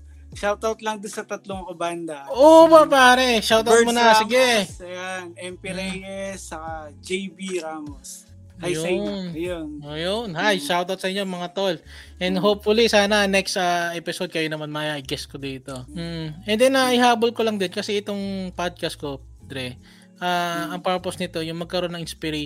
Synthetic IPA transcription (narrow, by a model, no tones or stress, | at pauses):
ʃawt̪awt̪̚lɐŋd̪onsɐt̪ɐt̪loŋoband̪ɐʔobɐpaːɾɛʃawt̪ɐt̪̚monɐsɪɡɛjanʔɛmpiɾɛjɛsːɐkad͡ʒejbiɾamos | hajjojnjonʔoːjonhajʃawt̪awt̪̚sɐʔɪɲːomɐŋat̪ol | ʔɛnd̪ɦowp̚fʊlisaːnɐnɛkst̪ɐʔɛpɪsod̪̚kɐjonɐmanmɐaʔɪɡɛskod̪iːt̪o̞m̩ːɛnd̪ɛnɐʔɪhaːbolkolɐŋd̪ɛnkɐsɛʔɪt̪o̞ŋpad̪̚kɐst̪̚kop | d̪ɾɛ | ʔaːʔɐŋpɛɹposnɪt̪o̞jʊŋmɐɡ̚kɐɾonɐŋɪnspɪɾe